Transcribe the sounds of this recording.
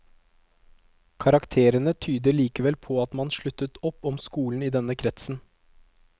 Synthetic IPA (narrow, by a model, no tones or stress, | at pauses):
kʰɑɾɑkt̪ʰeːɾənət̪ʰyːd̪əɭiːkəʋɛlpʰɔɑt̪mɑnʃɭʉt̪ət̪ɔpːɔmskuːln̩iːd̪ɛnəkʰɾɛt̪sn̩